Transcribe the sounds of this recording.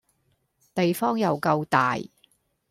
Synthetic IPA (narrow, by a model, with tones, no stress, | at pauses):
t̪e˨jfɔː˥ŋjɐ˨wkɐ˧wt̪a̰ː˨j